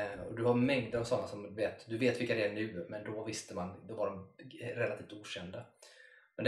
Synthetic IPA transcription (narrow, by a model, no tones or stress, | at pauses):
ɔ̰d̪ɵhaɾmɛŋd̪əɾavsɔnːasɔmd̪veːt̪d̪ɵveːt̪vɪlkad̪ɛæɳʉ̟ːmɛnd̪ɔvɪst̪əmand̪ɔvaɖɔmɾɛlːat̪ʰiːft̪uːɕɛnd̪amɛnd̪